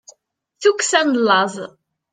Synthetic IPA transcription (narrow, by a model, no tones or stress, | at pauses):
θukːsænlːɑðˤ